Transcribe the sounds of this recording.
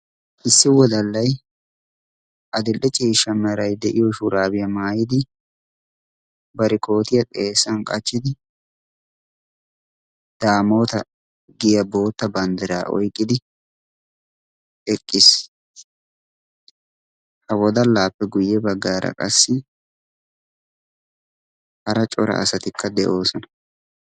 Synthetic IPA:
ʔɪsːɪwɔd̪ɐlːɐj | ʔɐd̪ɪlʔɛt͡ʃʼiːʃɐmɛɾɐjd̪ɛʔɪjɔʃʊɾaːbɪjɐmaːjɪd̪ɪ | bɐɾɪkʰoːt̪ɪjɐt̪ʼeːsːɐnkʼɐt͡ʃːɪd̪ɪ | d̪̥aːmo̞ːt̪ɐ | ɡɪjɐbo̞ːt̪ːɐbɐnd̪ɪɾa̰ːʔɔ̰jkʼːɪd̪ɪ | ɛkʼːɪs | hɐwɔd̪ɐlaːpːɛɡʊjːɛbɐɡːaːɾɐ̰kʼɐsːɪ | hɐɾɐt͡ʃʼɔɾɐ̰ʔɐ̰sɐt̪ɪkʰːɐd̪ɛʔo̞ːsɔnɐ̥

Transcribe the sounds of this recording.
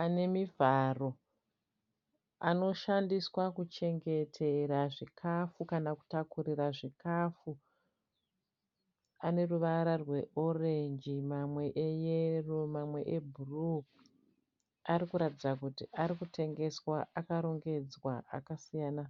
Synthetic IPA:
ane̞mivaro̞ | a̰no̞ʃandiswakut͡ʃe̞ŋɡe̞tʰe̞ɾaʐikʰafukanaku̥takuɾiraʐikafu | ane̞ruʋaɾarwe̞ʔore̞nd͡ʒimamwe̞ʔejerumamwe̞ʔebʱuru | aɾikuɾatid͡zakutiʔaɾikutʰe̞ŋɡe̞swaʔakaɾo̞ŋɡe̞d͡zwaa̰kasijaːna

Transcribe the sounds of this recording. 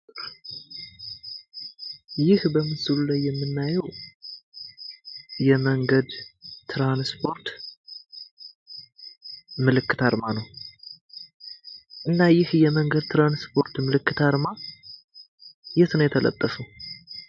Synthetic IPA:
jɪhbəmɨsɨlulajːɛmːɨnːajɛw | jɛməŋɡəd̪t̪ʰɾanspʰo̞ɾt̪ | mɨlɨkːɨ̥t̪ʰaɾmanəw | ʔɨnːajɪhjɛməŋɡəd̪̚t̪ʰɾanspʰo̞ɾt̪mɨlɨkːɨt̪ʰaɾma | jɛt̪nəjɛt̪ʰələ̰t̪ʼːəfəw

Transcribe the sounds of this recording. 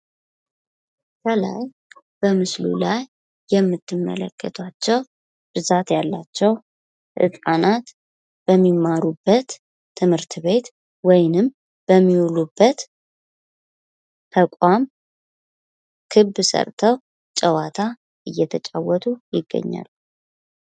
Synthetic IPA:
kʰəla̰j | b̥əmɨslṵlajː | ɛmːɨt̪ʰːɨmːə̰lə̰kʰːət̪ʰat͡ʃːɛw | b̥ɨzat̪jalːat͡ʃːɛw | ʔɨ̰tʼanat̪ | b̥əmːimaɾubːət̪ʰː | ɨmhɨɾt̪ʰβe̞t̪ | wɔjnɨm | b̥əmːiulubːət̪ | t̪ʰəkʷʼam | kʰɨbsə̰ɾt̪ʰəw | t͡ʃʼəwat̪ʰa | ʔɨjːɛt̪ʰət͡ʃʼawɔt̪ʰujɪɡːə̰ɲːa̰l

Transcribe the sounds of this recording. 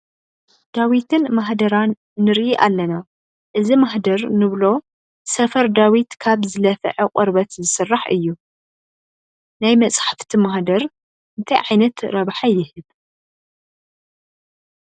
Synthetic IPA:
d̪̥awit̪ʰɨnmaħd̪ɐɾanː | ɨɾʔiʔalːɐna | ʔɨzimaħd̪ɐɾnɨβlo̞ | sɐfɐɾd̪awit̪kʰaβzɨlɐfʕɐqʼɔɾbɐt̪zɨsɨrːaħɨ̰jːu | najmɐsʼħḁft̪ʰimaħd̪ɐɾ | ʔɨnt̪ʰajʕajnɐt̪ɾɐβħajɪhɨβ

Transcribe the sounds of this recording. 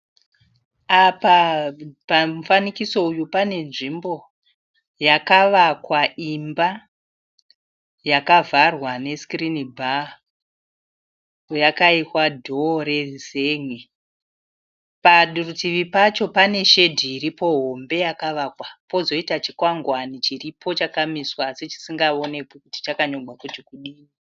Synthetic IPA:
apapam̩fanikiso̞ujupane̞nʐimbo̞ | jakaʋakwaʔimba | jakavʱarwane̞skrinibʱa | ojakaikwadʱo̞re̞zeŋwe | paɗurutiʋipat͡ʃo̞pane̞ʃe̞dʱiːɾipo̞ɦo̞mbe̞jakaʋakwapo̞zo̞itat͡ʃikwaŋɡwanit͡ʃiripʰo̞t͡ʃakamiswaset͡ʃi̥siŋɡao̞ne̞pokuti̥t͡ʃakaɲo̞ɡʱwakut͡ʃikuɗiːni

